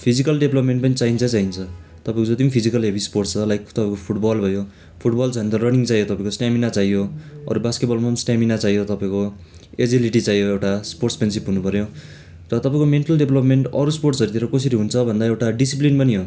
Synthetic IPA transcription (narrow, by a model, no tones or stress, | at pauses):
pʰid͡zikʌlɖebʱlʌpmeɳʈpʌnit͡saint͡sʰʌt͡saint͡sʰʌt̪ʌpãĩkod͡zʌt̪imipʰid͡zikʌlɦebisporʈt͡sʰʌlajkt̪ʌpaĩkopʰuʈbʌlbʱʌjo | pʰuʈbʌlt͡sʌnt̪ʌrʌrniŋt͡sajot̪ʌpaĩkosnjaminat͡saijjoʌ̰ɾubaskeʈ̚bʌlmaʌnisnjaminat͡saijot̪ʌpaĩko | ed͡ziliʈit͡sajoewʈasporʈspens̬ipɦunupʌɾjo | tʌt̪ʌpaĩkomeɳʈʌlɖebʱlʌpmeɳʈʌɾusporʈsʌɾut̪ʰieɾʌkʌsiɾiɦunt͡sʰʌbʱʌnd̪aewʈaɖisiplinpʌniɦo